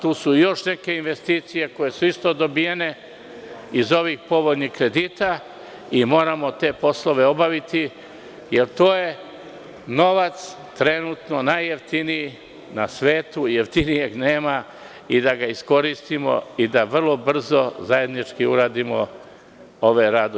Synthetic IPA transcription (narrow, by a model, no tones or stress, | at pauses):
t̪uːsujo̞ʃne̞ke̞inʋe̞st̪iːt̪sije̞koje̞suist̪o̞d̪o̞bijene̞ | izo̞ʋixpo̞ʋod̪nixkɾe̞d̪iːt̪a | imo̞ːɾamo̞t̪e̞ːpo̞slo̞ʋe̞o̞baʋit̪i | je̞ɾt̪o̞ːje̞ | no̞ʋat̪s | t̪ɾe̞nut̪no̞najːe̞ft̪iniji | nasʋe̞ːt̪ujeft̪inije̞ɡneːma | id̪aɡaisko̞ɾist̪imo̞̰id̪aʋr̩lˠo̞br̩zo̞zaje̞d̪nit͡ʃkiuɾaːd̪imo̞ | o̞ʋeɾad̪o